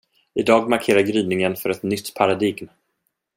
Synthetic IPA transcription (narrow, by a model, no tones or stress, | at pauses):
ɪd̪ɑːɡmaɾkʰeːɾaɾɡɾyːnɪŋənfœɾɛt̪nʏt̪ːpʰaɾad̪iɡm